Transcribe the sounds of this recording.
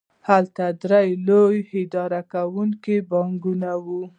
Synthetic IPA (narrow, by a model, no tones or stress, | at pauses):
halt̪ad̪ɾajlojhɪd̪ɑɾakawuŋkibɑŋɡunawu